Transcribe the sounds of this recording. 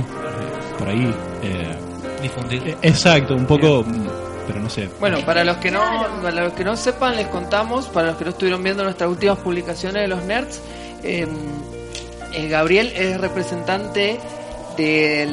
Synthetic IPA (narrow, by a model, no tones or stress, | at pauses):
poɾa̰i | ḛ | d̪ifund̪iɾesak̚t̪oumpoko | peɾonosḛbwenopaɾalo̞skenoalohkeno̞sepanlesko̞nt̪amo̞spaɾalo̞hkenoest̪ujeɾo̞mbjend̪onwest̪ɾasult̪imaspuβlikasjo̞neðelo̞sneɾt̪s | em | ɣaβ̞ɾje̞lesrepɾese̞nt̪ant̪e | ðe